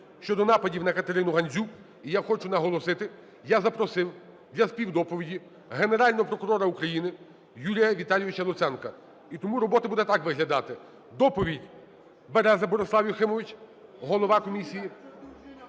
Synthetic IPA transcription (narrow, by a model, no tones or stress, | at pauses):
ʃt͡ʃɔd̪ɔnɑpɐdʲiwnɐkɐt̪eɾɪnʊɦɐnʲzʲuk | ijaxɔt͡ʃʊnɐɦɔlˠɔsɪt̪ɪ | jazɐpɾɔsɪw | d̪lʲɐspʲiwd̪ɔpɔʋʲidʲi | ɦe̞neɾɑlʲnɔɦɔpɾɔkʊɾɔɾɐukɾɐjinɪ | julʲijɐʋʲit̪ɑlʲjɔʋʲɪt͡ʃɐlˠʊt̪sɛnkɐ | it̪ɔmuɾɔbɔt̪ɐbud̪ɛt̪ɑkʋɪɦlʲɐd̪ɑt̪ɪ | d̪ɔpɔʋʲidʲ | beɾɛzɐbɔɾeslˠɑwjɔxɪmɔʋʲɪt͡ʃʲɦɔlˠɔʋɑkɔmʲisʲiji